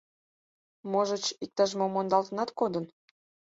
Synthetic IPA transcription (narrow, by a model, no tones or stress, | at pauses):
moʒət͡ɕik̚t̪ɑʒmomond̪ɑlt̪ənɑt̪kod̪ən